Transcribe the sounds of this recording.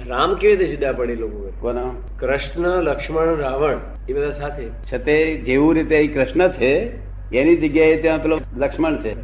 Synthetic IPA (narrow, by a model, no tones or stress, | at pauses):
ɾamkeʋit̪ed͡ʒɪd̪ʱːapəɽelokõpəɾkona | kɾəʃnələkʂməɳɾaʋəɳ | ebəd̪ʱasat̪ʰe | t͡ʃʰət̪ed͡ʒeʋũɾit̪eəikɾɪʃnət͡ʃʰe | enid͡ʒəɡjaet̪jãt̪olələkʂməɳt͡ʃʰe